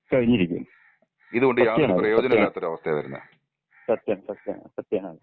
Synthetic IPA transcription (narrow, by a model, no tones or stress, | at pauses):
kɐɻiɲːiɾikʲːṵm | iðuɣo̞ɳɖɨjaːprɐjo̞ːd͡ʑɐnɐmilːaːt̪ːoɾuɐʋɐst̪ʰeʋɐɾunːɐɨ̰ | sɐt̪ːjɐnɐsɐt̪jɐ̰nsɐt̪ːjɐːnaːɨ